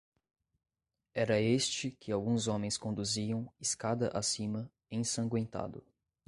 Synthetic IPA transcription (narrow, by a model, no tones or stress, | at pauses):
ɛɾɐest͡ʃɪkʰɪawɡũzõmẽj̃skõnd̪uziɐ̃w̃iskad̪ɐʔasĩmɐ | ẽj̃sɐ̃ŋɡwẽnt̪a̰d̪ʊ